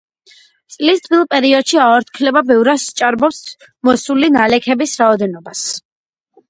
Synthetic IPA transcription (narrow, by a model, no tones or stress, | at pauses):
t̪sʼlist̪ʼbilˠpʼɛɾiɔd̪ʃiaɔɾt̪ʰkʰlɛbabɛvɾast͡ʃʼaɾbɔps | mɔsulinalɛkʰɛbisɾaɔd̪ɛnɔbas